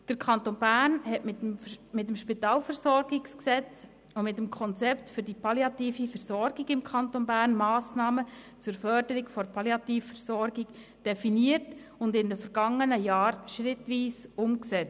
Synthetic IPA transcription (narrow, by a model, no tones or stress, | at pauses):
d̥əɾkʰɑnt̪onbæːnhɛtmɪtmmɪt̬əmʃpitɑːlˠfəɾsɔɾɡɪksksɛt͡s | ʊmɪtəmkʰχɔnt͡sɛptfʏɾdipʰɑljɑt̪iːfifəɾsɔrɡɪɡɪmkʰχɑntonbæːrnmɑːsnɑːmət͡sʊɾfœrdəɾɪkfɔɾpʰɑljɑtiːfːəɾsɔɾɡiɡ | d̥ɛfiniət | ʊndɪndəfəɾɡ̥ɑŋːənəjɑːɾʃɾɪtʋiːsʊmksɛt͡s